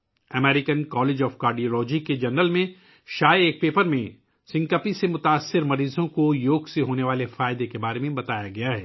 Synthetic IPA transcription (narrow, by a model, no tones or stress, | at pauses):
ɐmɛːɾɪkənkɔːleːd͡ʒɔːfkaːɾɖioːlɔːd͡ʒiked͡ʒɐnɾəlmẽ | ʃaːjeːk̚peːpəɾmẽ | sɪ̃ŋkəpisemʊt̪aːsːɪɾmɐɾiːzõkojoːɡseɦoːneʋaːlefaːjɪd̪ekebaːɾemẽbɐt̪aːjaɡɐjaɦɛː